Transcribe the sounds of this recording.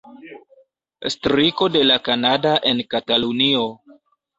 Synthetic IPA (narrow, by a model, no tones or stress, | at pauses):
stɾiko̞de̞lakanadaʔe̞nkatalunio̞